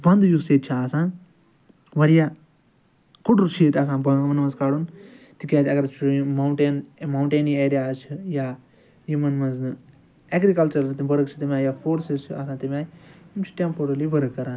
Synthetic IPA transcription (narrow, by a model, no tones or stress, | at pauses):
bɐ̃nd̪juseːt̪t͡ʃʰiaːsãːn | ʋɐɾjaː | kuɖt͡ʃʰit̪asãːbɐmɐnmɐzkaːɽun | t̪ikʲeːt̪ʲɐɡɐɾt͡ʃʰmɐɳʈenmawɳʈeːnieːɾijaːzt͡ʃʰijaː | jimɐnmɐznɨ | eɡɾikɐlt͡ʃɐɾt̪ibɐɾɨkt͡ʃʰit̪imʲaːjaːfoːɾsizt͡ʃʰiaːsãːt̪imʲaːjiimt͡ʃʰi̥ʈempuɾɐlibɐɾɨkːɐɾaːn